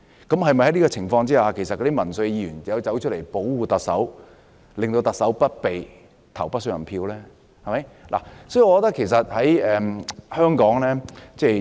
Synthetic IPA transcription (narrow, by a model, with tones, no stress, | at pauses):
kɐ˨˥mhɐ˨jmɐ˨jhɐ˨˥jniː˥kɔː˧t͡sʰɪ˨˩ŋfɔː˧ŋt͡siː˥haː˧kʰe˨˩jsɐ˨t̚kɔː˧˥i˥mɐ˨˩nsɵ˧ɥjiː˧˩yː˨˩nɐ˨˧wt͡sɐ˨˥wt͡ʃʰɵ˥le˨˩jpo˨˥wwuː˨˧t̪ɐ˨k̚sɐ˨˥w | lɪ˨ŋt̪o˧wt̪ɐ˨k̚sɐ˨˥wpɐ˥t̚pe˨j | t̪ʰɐ˨˩wpɐ˥t̚sɐ˨˩pʰiː˧wlɛː˥ | hɐ˨mɐ˦˥jla̰˨˩sɔː˨˥ji˨ɔ˧ɔ˧˥t̪ɐ˥kʰːe˨˩js̬ɐ˨t̚hɐ˨˥jɛː˨hœː˥ŋkɔː˨˥ŋlɛː˥t͡sɛː˥˩